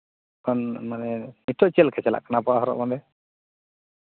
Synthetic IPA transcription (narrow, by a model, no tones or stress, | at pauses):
kanmanɛnitːɔt͡ʃɛlkʰasɛla̰ʔkanapɔaɦɔɾɔ̰ʔmad̪ɛ